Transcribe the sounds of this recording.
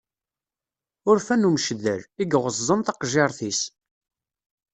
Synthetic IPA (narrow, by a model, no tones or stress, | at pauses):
ʊɾfænumʃðəɾiɡʁəzzˤənt̪ɑqʒeɾˤθis